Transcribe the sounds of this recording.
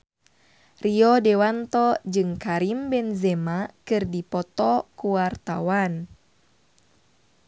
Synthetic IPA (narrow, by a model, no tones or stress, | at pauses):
riɔdɛwant̪ɔd͡ʒɨŋkaɾimbɛnzɛmakɨrdipɔt̪ɔkuwart̪a̰wan